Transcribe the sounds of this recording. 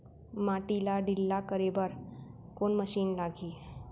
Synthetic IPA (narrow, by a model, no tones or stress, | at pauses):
maʈilaɖilːakəɾebəɾ | konməʃiːnlaɡʱiː